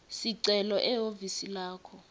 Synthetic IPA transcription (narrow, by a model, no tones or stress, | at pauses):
siǀɛlɔʔɛɦovisilaːkʰɔ